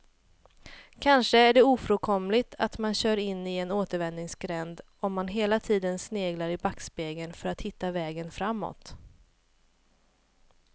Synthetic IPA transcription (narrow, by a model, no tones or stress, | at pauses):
kʰanʂəæɖɛuːfɾoːkʰɔmlɪt̪ʰa̰t̪manɕœːɾɪnːɪɛnoːt̪əɾvɛnnɪŋsɡɾɛnd̪ | ɔmːanɦeːlat̪ʰiːd̪ənsneːɡlaɾɪbakspeːɡənfœɾat̪hɪt̪ːavɛːɡənfɾamːɔ̰t̪